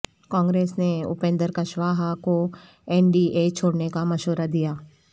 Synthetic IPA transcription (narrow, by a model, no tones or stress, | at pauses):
kɔ̃ːŋɡɾeːsneʊ̰pẽːnd̪əɾkɐʃʋaːɦako | ɛːnɖiʔeːt͡ʃʰoːɽnekamɐʃoːɾad̪ijaː